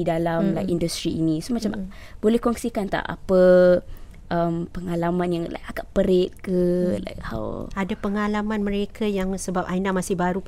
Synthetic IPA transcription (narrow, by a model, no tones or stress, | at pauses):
idalamlajkindust̪ɾiinĩsomat͡ʃamb̥olɛhkɔŋsikant̪a̰ʔa̰pə | ʔəmpəŋalamãnjaŋla̰jkaɡaʔpəɾet̪̚kəla̰jkha̰wadapəŋalamãnmə̃ɾekʰajaŋsəbap̚ainamasɪhbaɾu